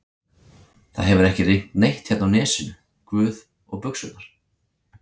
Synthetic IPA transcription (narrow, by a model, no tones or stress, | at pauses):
θaðɦɛvʏɾɛhcɪriht̪nejht̪çɛt̪nawnɛːsʏnʏ | kvʏːð | ɔɣpʏksʏaɾ̥